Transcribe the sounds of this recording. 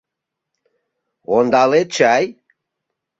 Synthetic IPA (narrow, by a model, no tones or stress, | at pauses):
ond̪ɑlet̪̚t͡ʃaj